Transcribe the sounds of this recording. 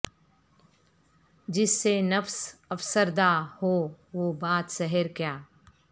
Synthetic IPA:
d͡ʒɪsːenɐfsɐfsəɾd̪ahoːʋoːbaːt̪sɛɦəɾkjaː

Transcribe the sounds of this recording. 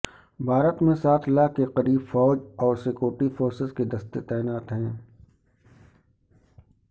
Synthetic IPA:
bʱaːɾət̪mẽsaːt̪ʰlakeqɐɾiːbfɔːd͡ʒɔːɾsekjoːʈifoːɾsɪsked̪ɐst̪et̪ɛːɪnaːt̪ɦɛ̃ː

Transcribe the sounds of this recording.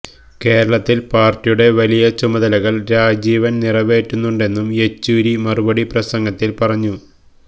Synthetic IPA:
ke̞ːɾɐɭɐt̪ːilpaːrtːijuɽe̞ʋɐlijɐt͡ɕumɐðɐlɐɣɐɭɾaːd͡ʑiːʋɐnnirɐʋe̞ːʈːunːuɳɖe̞nːume̞t͡ɕːuːɾimɐrubɐɽiprɐsɐŋɡɐt̪ːilpɐrɐɲːu

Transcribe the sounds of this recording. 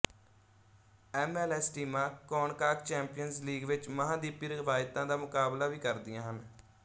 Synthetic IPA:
ɛːmɛːlɛːsʈiːmãːkɔːɳkaːkt͡ʃɛːmpijənzliːɡʋɪt͡ʃməɦãːd̪iːpiːɾɪɪʋaːjt̪ãːd̪aːmʊkaːblaːʋiːkəɾd̪ɪjãːɦən

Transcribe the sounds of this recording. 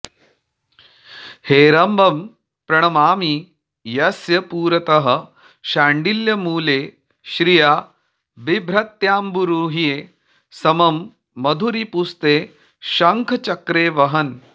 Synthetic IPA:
heːɾɐmbʱɐm | pɾɐɳ̃ɐmaːmi | jɐsjɐpuːɾɐt̪ɐɦɐ̆ | ʃaːɳɖiljɐmuːleː | ʃɾijaː | bibʱɾɐt̪jaːmbuɾuːɦijeː | sɐmɐmː | ɐd̪ʱuɾipust̪eː | ʃɐŋkʰt͡ʃɐkɾeːʋɐɦɐn

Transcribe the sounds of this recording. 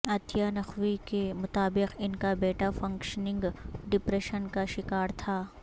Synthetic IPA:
ɐt̪janɐxwikemʊt̪aːbɪqɪnkabeːʈafɐ̃ŋkʃənɪ̃ŋɡɖɪpɾeʃənkaʃɪkaːɾt̪ʰaː

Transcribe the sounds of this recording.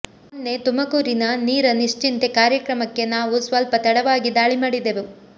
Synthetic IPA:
ɐnːe̞t̪umɐkuːɾinɐniːɾɐniʂt͡ʃint̪ekaːɾjɐkɾɐmɐkːe̞naːʋusʋɐlpɐt̪ɐɽɐʋaːɡid̪aːɭimaːɽid̪eʋu

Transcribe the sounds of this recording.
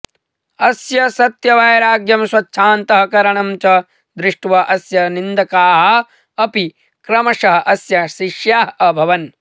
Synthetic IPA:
ɐsjɐsɐt̪jɐʋɐjɐɾaːɡjɐmswɐtːʃʰaːnt̪ɐɦɐkɐɾɐɳɐmt͡ʃɐ | d̪ɾɪʂʈʋɐʔɐsjɐnind̪ɐkaːɦɐ̆ | ɐpi | kɾɐmɐʂɐɦɐʔɐsjɐʃiʃjaːɦɐɐbʱɐʋɐn

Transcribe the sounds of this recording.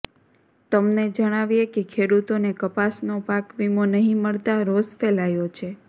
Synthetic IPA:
t̪əmned͡ʒəɽ̃aʋijekekʰeɽut̪onekəpasnopãkʋimonəɦĩməɭt̪aɾosfelajot͡ʃʰe

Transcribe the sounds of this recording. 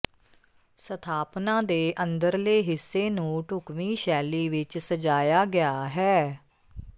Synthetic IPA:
sət̪ʰaːpnãːd̪eːʔə̃nd̪əɾleːɦɪsːeːnũːʈʊkʋiːʃɛːliːʋɪt͡ʃsəd͡ʒaːjaːɡɪaːɦɛː

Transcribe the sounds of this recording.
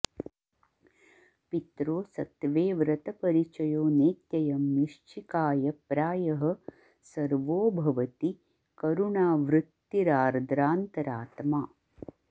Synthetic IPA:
pit̪ɾoːsɐt̪ʋeːʋɾɐt̪ɐpɐɾit͡ʃɐjoːneːt̪jɐjɐmjiʂt͡ʃʰikaːjɐpɾaːjɐɦɐ̆ | sɐɾʋoːbʱɐʋɐt̪i | kɐɾuɳaːʋɾɨt̪ːiɾaːɾd̪ɾaːnt̪ɐɾaːt̪maː

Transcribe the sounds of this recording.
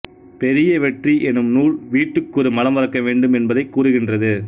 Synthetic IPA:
pɛɾɪjɐʋɛʈriʔɛnɯmnuːɭʋiːʈːɯkːɯɾɯmɐlɐmʋɐɾɐkːɐʋeːɳɖɯmɛnbɐðɐɪkːuːɾɯɣɪndrɐðɯ

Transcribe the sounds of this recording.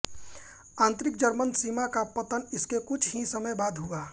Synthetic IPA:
ãːnt̪ɾɪk̚d͡ʒəɾmənsimakapət̪ənɪskekʊt͡ʃʰɦisəməjbaːd̪ʱɦʊaː

